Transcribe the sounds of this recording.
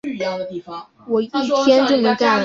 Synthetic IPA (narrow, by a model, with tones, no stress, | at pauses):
wɔ˨˩i˥˩t̪ʰjɛ˥nʈ͡ʂə˥˩nə˧˥ka˥˩